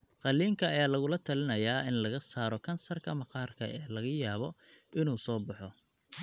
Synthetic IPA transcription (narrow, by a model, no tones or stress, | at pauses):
qɑlːiːŋkʰɐːjaːlɐɣʊlɐt̪ʰɐlɪnɐjaːʔɪnlɐɣɐsaːɾɔkʰɐnsɐrkʰɐmɐqɑːrkʰɐ̰ʔɛːlɐɣɐjaːβɔɪnuːsɔːbɑħɔ